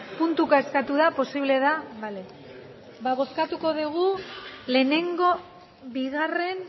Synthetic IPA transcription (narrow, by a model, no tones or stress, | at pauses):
punt̪ukaeskat̪uðapo̞siβle̞ðaβale | baβo̞skat̪uko̞ðuɣ̞ule̞ne̞ŋɡo̞ | βiɣare̞n